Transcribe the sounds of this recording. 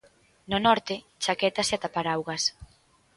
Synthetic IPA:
nʊnɔɾt̪ɪ | t͡ʃakɛt̪aseat̪apaɾawɣɐs

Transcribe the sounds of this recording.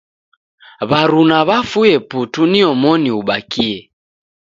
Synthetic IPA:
βaɾunaβafujɛputuniɔmɔniuɓakiɛ

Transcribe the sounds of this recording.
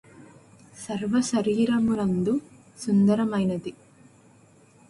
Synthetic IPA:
sɐɾʋɐsɐɾiːɾɐmunɐnd̪u | sund̪ɐɾɐmɐjnɐd̪i

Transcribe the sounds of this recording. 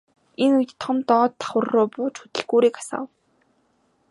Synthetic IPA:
enujt̪t̪ʰːɔmt̪ɔːt̪ʰːḁχwə̆rːʊːpʊːt͡ɕxut̪ɘ̆ɮɡuːɾiːkḁsa̰ːw

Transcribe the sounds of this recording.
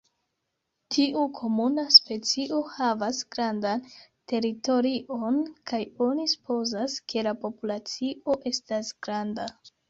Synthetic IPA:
tʰiʔukʰo̞munaspe̞t͡siʔo̞havasɡ̥ɾandante̞ɾito̞ɾiʔo̞nkʰajo̞nisu̥po̞zaskʰe̞lapo̞pulat͡siʔo̞ʔe̞stasɡɾanda

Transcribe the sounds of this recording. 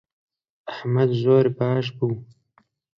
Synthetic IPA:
ahmad̪zoːɾbaːʃbuw

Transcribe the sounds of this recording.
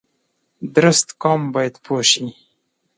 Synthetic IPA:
d̪ɾɪst̪kɑmbɑjad̪pʰoʃi

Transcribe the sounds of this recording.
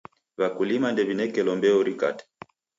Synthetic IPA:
βakulimandɛβinɛkɛlɔmbɛɔɾika̰tɛ̥

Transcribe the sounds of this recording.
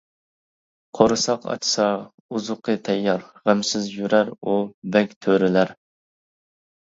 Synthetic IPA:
qʰoɾɨsɑqɑ̰t͡ʃʰsɑ | uzʊqʰət̪ʰɛjːɑɾʁæmsɪzjyɾæɾubɛkʲt̪ʰøɾɪlæɾ

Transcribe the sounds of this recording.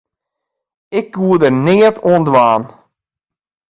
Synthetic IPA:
ɪkʋuədərnɪətʰoəndʋaːn

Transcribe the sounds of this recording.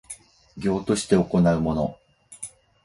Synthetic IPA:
ɡʲo̞ːt̪o̞ɕi̥t̪e̞oko̞naɯ̟mo̞no̞̰

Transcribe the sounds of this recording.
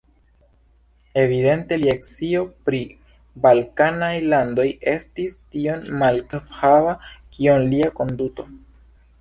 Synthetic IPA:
e̞vide̞nte̞liaksio̞pɾi | balkanajlando̞je̞stistio̞nmalkfavakʰionliako̞nduto̞

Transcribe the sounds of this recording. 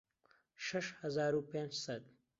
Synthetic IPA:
ʃɐʃhɐzaːɾupend͡ʒsɐd̪̚

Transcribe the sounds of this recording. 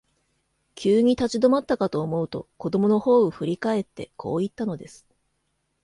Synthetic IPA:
kʲʰɨːɲ̟it̪at͡ɕid̪o̞mat̪ːakat̪o̞ːmo̞ɯ̟t̪o̞̰ko̞d̪o̞mo̞no̞ho̞ːɯ̟ɸɯ̟ɾʲikae̞t̪ːe̞̰kʰo̞̰ːit̪ːano̞d̪e̞sɨ̥

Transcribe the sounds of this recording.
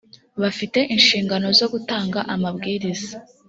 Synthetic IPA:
βafite̞ʔinʃiːŋɡano̞zo̞ɡutaːŋɡaʔamabɡiːɾiza

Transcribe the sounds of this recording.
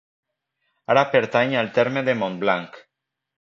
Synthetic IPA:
aɾapeɾt̪aɲalt̪eɾmeðemõnblaŋk

